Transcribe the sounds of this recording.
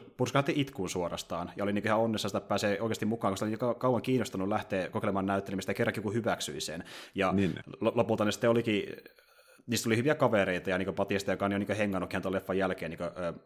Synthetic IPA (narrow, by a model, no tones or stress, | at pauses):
purskɑhɑt̪ːiʔit̪kuːnsuorɑ̰st̪ɑːnjɑoliniːkøihɑonːesːɑsit̪æppæːseːoˑikest̪imukˑɑːŋkusit̪ːoikkɑkɑuwɑŋkiːnːost̪ɑnːulæht̪eːkokelemɑːnæyt̪ːelemist̪jɑkerːɑŋkikuhyʋæksy̰isenjɑninllopult̪ɑnesi̥t̪ːeoliki | niːst̪ːolihyʋiækɑʋeɾeit̪ɑjɑniːŋkøpɑt̪iɑst̪ɑjokɑːnejoniːŋkøheŋːɑnːukːihɑnolefːɑjælkeːniːŋkøʔː